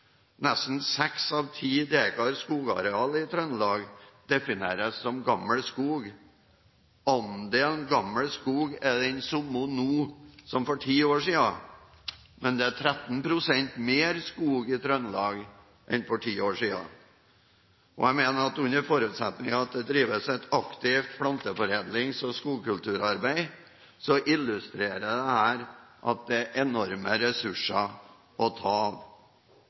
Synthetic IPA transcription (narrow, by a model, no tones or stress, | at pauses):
nɛst̪n̩sɛksɑːʋt̪ʰiːd̪eːkɑɾskuːɡɑ̰ɾɛɑːləɪt̪ʰɾœnlɑːɡd̪ɛfɪnḛːɾəsːɔmɡɑmːəɭskuːɡ | ɔmd̪ɛɛnɡɑmːəɭskuːɡɛɖɛnsʊmːʊnuːsɔmfɔʈʰiːoːʂiːɑ | mɛnd̪ɛæʈʰɾɛt̪n̩pʰɾʊsɛnt̪meːɾskuːɡɪt̪ʰɾœnːlɑːɡ | ʔɛ̰nfɔʈʰiːoːʂiːɑ̰ | ʔɔ̰æɪmeːnəɾɑt̪ʉnːəɾfɔɾʉːt̪sɛ̰t̪nɪŋɑɑt̪̚d̪ɛd̪ɾiːʋəsɛt̪ɑkt̪ɪft̪̚pʰɽɑnt̪əfɔɾeːd̪lɪŋsɔskuːɡkʉlt̪ʉːɾɑɾbæɪ | sɔʔɪlːʉst̪ɾeːɾəd̪ɛhæːɾʔɑt̪̚d̪ɛæʔɛnɔɾməɾɛsʉʂɑ | ɔt̪ʰɑːʋ